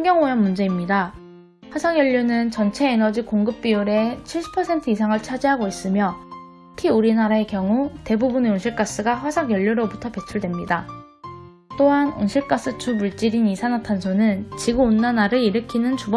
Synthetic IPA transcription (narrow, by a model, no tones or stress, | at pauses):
aŋɡjʌŋojʌmːund͡ʑe̞imɲida | ɸwasʰaŋjʌʎːunɯnt͡ɕʌnt͡ɕʰe̞ːnʌd͡ʑikoŋɡɯp̚p͈iuɾe̞t͡ɕʰiɭɕ͈ʰi̥pʰʌsʰe̞ntʰɯisʰaŋɯɭt͡ɕʰad͡ʑiɦaɡois͈ɯmjʌ | ɯkʰiuɾinaɾae̞kjʌŋute̞bubuneonɕʰiɭk͈as͈ɯɡaɸwasʰaŋjʌʎːuɾobutʰʌpe̞t͡ɕʰuɭdwe̞mɲida | t͈oɦano̰nɕʰiɭk͈as͈ɯt͡ɕubuɭt͡ɕ͈iɾinisʰanatʰansʰonɯnt͡ɕiɡɯonːanaɾɯiɾɯkʰinɯnt͡ɕubʌ